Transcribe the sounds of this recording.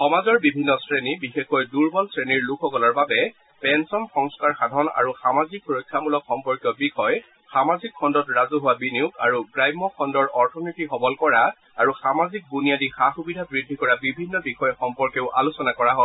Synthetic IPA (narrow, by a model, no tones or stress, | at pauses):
xɔmazɔɹbibʱinːɔsɹenibixexɔjduɹbɔlsɹeniɹlukʰɔkɔlɔɹbabɛ | pɛnsɔnxɔŋskaɹxadʱɔna̰ɹuxamazikxuɹɔjkʰːamulɔkxɔmpɔɹkjɔbixɔj | xamazikʰːɔndɔtɹazuɦʊwabiniuka̰ɹuɡɹajmːɔkʰɔndɔɹʔɔɹtʰɔnitixɔbɔlkɔɹa | aɹuxamazik̚bunijadixaxubidʱabɹidʱːikɔɹabibʱinːɔbixɔjɔxɔmpɔɹkeʊʔalusɔnakɔɹaɦɔ